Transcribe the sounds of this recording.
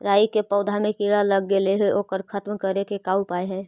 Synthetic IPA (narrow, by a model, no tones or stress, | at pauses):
ɾaːikepɔʊd̪ʱamẽkiɾaləɡːeleɦɛʔoːkəɾkʰət̪mkəɾekekaːupaːeɦɛː